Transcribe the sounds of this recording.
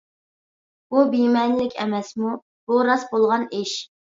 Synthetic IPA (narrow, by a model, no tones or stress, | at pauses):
bubimɛnlɪkʲɛ̰mɛsmu | b̥uɾɑsbolˠʁɑnɪʃ